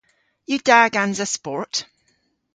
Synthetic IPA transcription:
jədaːɡãnzəspɔɹt

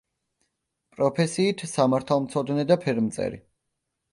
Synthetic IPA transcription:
pʼɾɔpʰɛsiːt̪ʰsamaɾt̪ʰalˠmt̪sʰɔd̪nɛd̪apʰɛɾmt̪sʼɛ̰ɾḭ

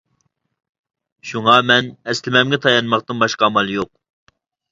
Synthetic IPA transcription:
ʃuŋɑmɛnɛslɪmɛmɡʲɛt̪ʰɑjɑnmɑqt̪ɨnbɑʃqɑːmɑlˠjoq̚

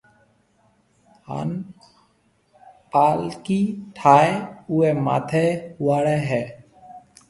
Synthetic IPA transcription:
ha̰ːn | paːlkiːʈʰaːeuːeːma̰ːt̪ʰeːhʊaːɽɛːɦɛː

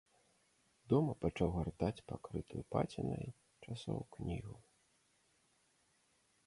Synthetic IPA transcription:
d̪ɔmɐpat͡ʂawɣart̪at͡sʲpakɾɨt̪ujupa̰t͡sʲinɐj | t͡ʂasɔ̰wknʲiɣu

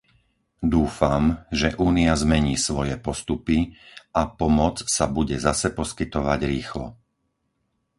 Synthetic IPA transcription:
d̪uːfamʒɛʔuːniazmɛɲiːsʋɔjɛpɔst̪upiʔapɔmɔt͡ssabuɟɛzasɛpɔskit̪ɔʋaɟɾiːxlɔ̰

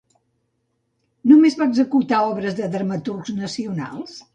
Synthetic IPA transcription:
numezβaəɡzəkut̪aɔβɾəzðəðəɾmət̪urznəsiuna̰lˠs

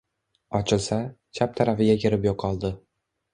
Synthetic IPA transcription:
ɒt͡ʃʰɪlˠsa | t͡ʃʰap̚t̪ʰaɾafɪɡʲakʲʰeɾɪpjoqʰːɒlˠd̪ɪ

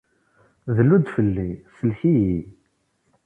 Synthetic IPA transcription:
ðəlud̪fəlːisəlçiji

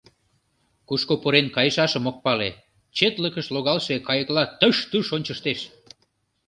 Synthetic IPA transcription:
kuʃkopoɾenkɑjəʃɑʃə̆mok̚pɑle | t͡ɕet̪ləkəʃloɣɑlʃekɑjəklɑt̪əʃt̪uʃonʲt͡ɕəʃt̪eʃ

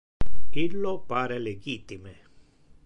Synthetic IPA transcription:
ilːopaːɾeleɡiːt̪ime

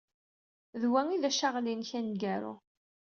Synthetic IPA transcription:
ðwæŋiðæʃaʁlinçænɡæɾṵ

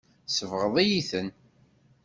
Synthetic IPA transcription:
səvʁəðˤijiθən

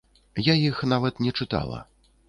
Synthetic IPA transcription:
jajixnavɐt̪nʲɛt͡ʂɨt̪a̰lˠɐ̰

